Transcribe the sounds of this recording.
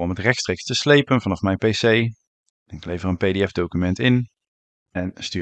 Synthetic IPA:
ɔmɦətrɛxtstrejkstəslejpənvɑnɑfmɛjnpejsej | nɪklejvərənpejdeɛfdowkymɛntɪn | ɛnstyː

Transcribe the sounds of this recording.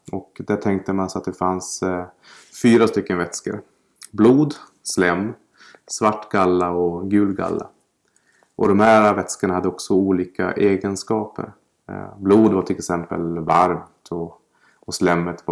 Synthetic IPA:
ɔkd̪æʈʰɛŋk̚t̪əmansat̪̚d̪ɛfans | fyːɾast̪ʏkːənvɛt̪skə̰ɾ | bluːd̪ | slɛmː | svaʈːɡalːaɔɡʉ̟ːlɡa̰lːa̰ | ʔɔ̰d̪ɔmhæːɾvɛt̪skəɳahad̪ːəɔksɔuːliːka̰ʔeːɡənskɑːpə̰ɾ | bluːd̪vaʈʰɪlɛksɛmpə̰lvaɾmt̪ʰɔ | ɔslɛmːət̪va

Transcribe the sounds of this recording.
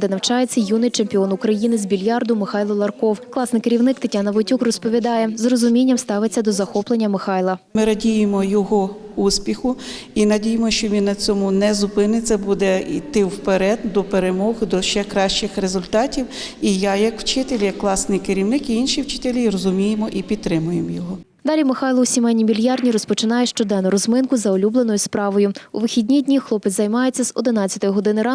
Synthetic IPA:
d̪ɛnɐwt͡ʃɑjet͡sʲːɐjunɪjt͡ʃemʲpʲiɔnʊkɾɐjinɪzʲbʲilʲjɑrd̪ʊmɪxɑjlˠɔlˠɐrkɔwklˠɑsnɪjkeɾʲiwnɪkt̪etʲanɐʋɔtʲukrɔspɔʋʲid̪ɑjɛzrɔzʊmʲinʲːɐmst̪ɑʋɪt͡sʲːɐd̪ɔzɐxɔplˠenʲːɐmɪxɑjlˠɐmɪɾɐdʲijɪmɔjɔɦɔ | uspʲixʊ | inɐdʲijemɔʃt͡ʃɔʋʲinːɐt͡sʲɔmʊnɛzʊpɪnɪt͡sʲːɐbud̪ɛḭt̪ɪwpeɾɛd̪d̪ɔpeɾemɔɣd̪ɔʃt͡ʃɛkɾɑʃt͡ʃɪxɾezʊlʲt̪ɑtʲiwijɑjɐkw̥t͡ʃɪt̪elʲijɐkːlˠɑsnɪjkɪɾʲiwnɪkiinʃiwt͡ʃɪt̪elʲirɔzʊmʲijemɔʔipʲit̪̚t̪ːɾɪmʊjemjɔɦɔ | d̪ɑlʲimɪxɑjlˠɔwsʲimɛnʲimʲilʲjɑrdʲnʲiɾɔspɔt͡ʃɪnɑjɛʃt͡ʃɔd̪ɛnːʊɾɔzmɪnkʊzɐɔlʲublˠenɔjʊspɾɑʋɔjʊʊʋɪxʲidʲnʲidʲnʲixlˠɔpɪt͡sʲzɐjmɑjet͡sʲːɐz̥ɔd̪ɪnɑt͡sʲːɐt̪ɔjʊɦɔd̪ɪnɪɾɑ

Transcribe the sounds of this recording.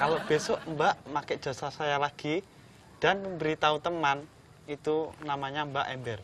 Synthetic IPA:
kaloʔb̥esɔʔmbaʔmakɛʔdd͡ʒ̥a̤sasajalaɡ̥i | d̥a̤nəmbəɾit̪aut̪əman | it̪unamaɲambaʔɛ̰mbɛr

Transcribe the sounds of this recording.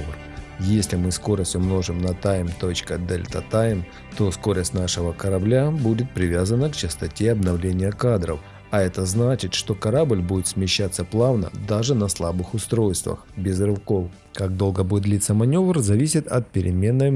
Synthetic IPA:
r | jesʲlʲɪmɨsko̞ɾəsʲtʲʊmno̞ʐɨmnɐt̪ajmt̪o̞t͡ɕkəd̪ɛlʲt̪ɐ̰t̪ajm | t̪o̞sko̞ɾəsʲtʲnaʂɨvəkɐɾɐblʲabudʲɪt̪̚pɾʲɪvʲazənəkt͡ɕɪst̪ɐtʲe̞ɐbnɐvlʲenʲɪjəkad̪ɾə̰f | ɐɛt̪əznat͡ɕɪt̪ʂt̪o̞kɐɾablʲbudʲɪt̪smʲɪɕːat̪sːəplˠavnə̰d̪aʐɨnɐslˠabɨxʊst̪ɾo̞jst̪və̰xbʲɪzrɨvko̞f | kaɡ̚d̪o̞lˠɡəbuɪt̪d̪lʲit̪səmɐnʲo̞vrzɐvʲisʲɪt̪ɐt̪̚pʲɪɾʲɪmʲe̞nːəj

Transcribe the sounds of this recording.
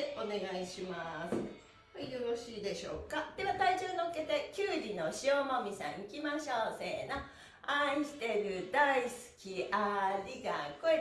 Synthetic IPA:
o̞ne̞ɡaiɕimasɨ̥ | oijoɾo̞ɕiːd̪e̞ɕo̰ːkad̪̥e̞βat̪aid͡ʑoːnokːe̞t̪e̞kʲɨːɾino̞ɕiomomʲisã̰ɰ̃ikʲimaɕoːseːna | ãɕi̥t̪e̞ɾɯ̟d̪aisɨ̥kʲiaɾʲiɡãkoe

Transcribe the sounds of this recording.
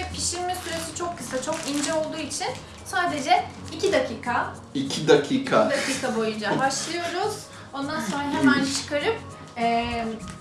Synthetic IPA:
ɛpʰiʃiɾʲmɛsyɾe̞sit͡ʃʰo̞kʰːɯsat͡ʃʰo̞kind͡ʒɛolˠd̪uːit͡ʃʰin | saːd̪e̞d͡ʒɛ | icʰid̪akʰiːkʰa | icʰid̪akʰiːkʰad̪akʰiːkʰabo̞jud͡ʒabaʃlˠɯjo̞ɾuz̥ | o̞nd̪anso̞nɾaɦemænt͡ʃʰɯ̥kaɾɯp̚ | ɛː

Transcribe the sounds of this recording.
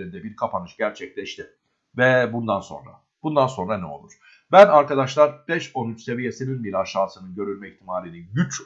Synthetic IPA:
ind̪ɛbiɾkʰapʰanɯʃɟæɾt͡ʃʰɛclʲɛʃt̪ʰɪ | vɛbund̪anso̞̰nɾa̰ | b̥und̪anso̞nɾanɛo̞̰lˠuɾ̥ | bænaɾkad̪aʃlˠaɾbɛʃo̞nyt͡ʃse̞vijesininbiɾʲaʃaːsɯnɯnɟø̞ɾylʲmɛiçt̪ʰimaːlʲiniɟyt͡ʃ

